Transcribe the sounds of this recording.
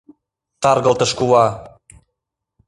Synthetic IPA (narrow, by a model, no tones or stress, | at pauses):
t̪ɑrɣə̆lt̪ɤ̆ʃkuwɑ